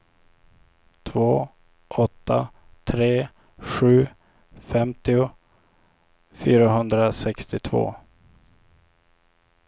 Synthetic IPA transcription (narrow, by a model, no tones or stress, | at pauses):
t̪ʰvoː | ʔɔt̪ʰːa̰ | t̪ʰɾeː | ɧʉ̟ː | fɛmt̪ɪʊ | fyːɾaɦɵnd̪ɾasɛkst̪ɪt̪ʰvo̰ː